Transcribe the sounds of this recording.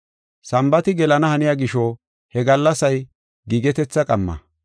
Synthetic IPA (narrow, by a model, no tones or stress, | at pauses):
sɐmbɐt̪ɪɡɛlɐnɐhɐnɪjaːɡɪʃo | hɛɡɐlːɐsɐj | ɡiːɡɛt̪ɛt͡sːɐkʼɐmːɐ̰